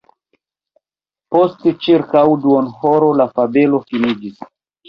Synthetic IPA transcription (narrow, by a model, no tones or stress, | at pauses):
po̞stt͡ʃiɾkawduonhoɾo̞lafabe̞lo̞finid͡ʒis